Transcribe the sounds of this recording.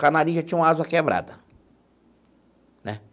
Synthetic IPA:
kanaɾĩʒat͡ʃĩɲɐ̃ũmaazɐkebɾa̰d̪ɐ | nɛ

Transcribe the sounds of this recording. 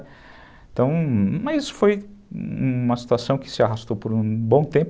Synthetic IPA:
t̪ɐ̃w̃mɐzisʊ̥fojũmɐsi̥t̪uasɐ̃w̃kɪ̥sɪaɦast̪owpoɾũbõw̃t̪ẽp

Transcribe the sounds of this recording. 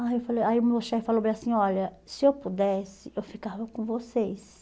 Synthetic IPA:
aewfaleaiʊmuloʃɛfalowmẽjasĩɔlɐ | sɪewpud̪ɛsɪewfikavɐkõvosejs

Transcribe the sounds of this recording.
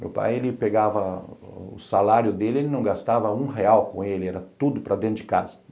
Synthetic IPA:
mḛwpa̰jelɪpeɡavɐʊ̰salaɾjʊd̪elɪelɪnɐ̃w̃ɡast̪avɐũɦeawkõelɪɛɾɐt̪ud̪ʊpɾɐd̪ẽd͡ʒɪkazɐ

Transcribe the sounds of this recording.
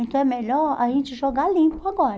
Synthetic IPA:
ẽk̪ɛmeʎɔɾa̰ʒẽnt͡ʃɪʒoɡalĩpʊaɡɔɾ

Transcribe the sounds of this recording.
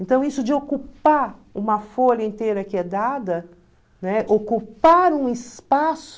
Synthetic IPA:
ẽnt̪ɐ̃w̃isʊd͡ʒɪokupaɾũmɐfoʎɐẽnt̪eɾɐkɪɛd̪ad̪ɐ | nɛʔokupaɾũɪspasʊ

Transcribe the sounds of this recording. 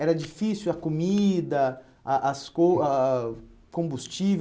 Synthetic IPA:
ɛɾɐd͡ʒifisiwɐkomid̪ɐ | ʔaskoa | kõmbust͡ʃiv

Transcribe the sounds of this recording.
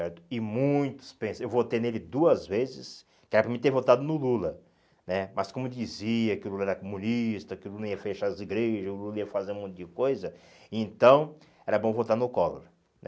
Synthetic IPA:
sɛɾt̪ʊ̥ɪmũj̃t̪ʊ̥spẽsewvot̪enelɪd̪uɐzvezɪ̰s | kɪɛɾɐpɾɐmẽt̪evot̪ad̪ʊnʊlulɐ | nɛmʔɐskõmʊewd͡ʒiziɐkɪʊlulɐɛɾɐkomũnist̪ɐkɪʊlulnɐiɐfeʃaziɡɾeʒɐzʊlulɐiɐfazeũmõt̪ʊd͡ʒɪkojzɐ | ɪẽnt̪ɐ̃w̃ | ɛɾɐbõvot̪aɾnʊkɔlo̰ɾɐ | nɛ

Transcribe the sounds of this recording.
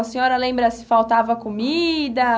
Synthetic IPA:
ɐsẽɲɔɾɐlẽmbɾɐsɪ̥fawt̪avɐkomid̪ɐ

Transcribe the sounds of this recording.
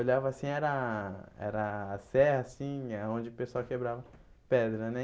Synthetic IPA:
oʎavɐasĩɛɾɐɛ̰ɾɐːsɛhɐsĩaõd͡ʒɪpesawkebɾavɐ | pɛd̪ɾɐnɛ

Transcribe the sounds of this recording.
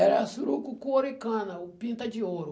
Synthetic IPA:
ɛɾɐsuɾukukoɾʊikɐ̃nɐʊpĩnt̪ɐd͡ʒioɾʊ

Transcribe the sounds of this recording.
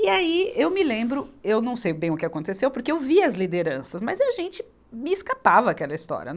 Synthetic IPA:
iaiewmɪlẽmbɾʊewnɐ̃w̃sejbẽj̃ʊkɪakõnt̪esewpoɾkeewviɐzlid̪eɾɐ̃sɐsmɐziɐʒẽnt͡ʃɪ | mɪːskapavɐakɛlɐist̪ɔ̰ɾḭɐ̰

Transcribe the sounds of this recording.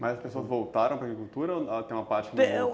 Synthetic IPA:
mɐzɐspesoɐzvowt̪aɾɐ̃w̃pɾaɡɾikuwt̪uɾɐot̪ẽj̃ũmɐpaɾt͡ʃɪkɪe

